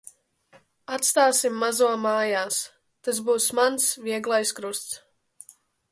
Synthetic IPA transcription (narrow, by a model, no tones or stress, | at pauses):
at̪st̪aːsimːazuɔmaːjaːs | t̪as̬buːsmansviɛɡlˠajskɾust̪s